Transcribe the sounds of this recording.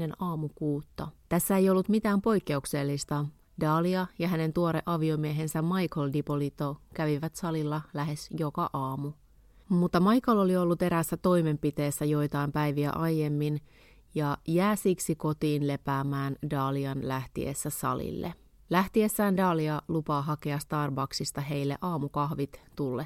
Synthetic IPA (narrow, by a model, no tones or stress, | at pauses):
enɑːmukuːt̪ːɑt̪æsːæejo̞lːut̪mit̪æːmpo̞jkːe̞ukse̞lːist̪ɑ | dɑːliɑjɑɦæne̞nt̪uoɾeʔɑʋio̞mieɦe̞nsæmmɑjkoldipolit̪okæʋiʋæt̪sɑlilːɑlæɦe̞sjo̞kɑʔɑːmu | mut̪ːɑmɑjkololio̞lːut̪e̞ɾæsːæt̪o̞ime̞mpit̪e̞ːsːæjo̞jt̪ɑimpæjʋiæ̰ʔɑjːemːin | jɑjæːsiksiko̞t̪iːnle̞pæːmæːndɑːliɑnlæht̪ḭḛsːæsɑ̰lḭlːḛ | læht̪iesːæːndɑːliɑlupɑːɦɑkeɑst̪ɑrbɑksist̪ɑɦe̞jlːeʔɑːmukɑhʋit̪t̪ulːe